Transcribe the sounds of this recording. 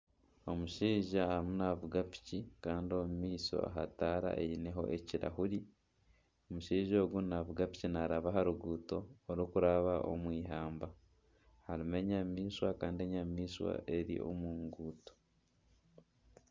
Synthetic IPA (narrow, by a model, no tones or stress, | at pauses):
o̞muʃiːʒaamunaβuɡapi̥cikaːndio̞mumiːso̞̰a̰ɦa̰taːɾa̰ʔeine̞ɦo̞̰ʔe̞ciɾa̰huɾi | omuʃiːʒo̞ːɡunaβuɡapi̥cinaɾaβaɦaɾuɡuːto̞ːɾukuɾaβaʔo̞̰mwiːɦaːmba | haɾime̞ɲamiːswakaːndie̞ɲamiːswa̰e̞ɾḭʔo̰muːŋɡuːto̥